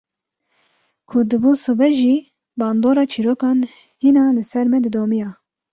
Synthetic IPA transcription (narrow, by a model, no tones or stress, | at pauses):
kʰʊd̪ɨbusɨbɛʒiː | bɑːnd̪oːɾɑːt͡ʃʰiɾoːkɑːn | hinɑːlɨsɛɾmɛd̪ɨd̪oːmijɑː